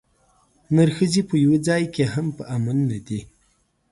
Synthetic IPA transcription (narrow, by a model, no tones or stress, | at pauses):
naɾxəzipəjwid͡zɑjkeɦampəʔamanːad̪i